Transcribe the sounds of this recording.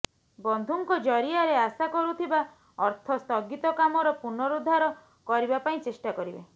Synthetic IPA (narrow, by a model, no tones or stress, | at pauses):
bɔnd̪ʱuŋkɔd͡ʒɔɾiaɾeasakɔɾut̪ʰiba | ɔɾt̪ʰɔst̪ɔɡit̪ɔkamɔɾɔpuɾnɔɾud̪ʱːaɾɔ | kɔɾibapaĩt͡ʃesʈakɔɾibḛ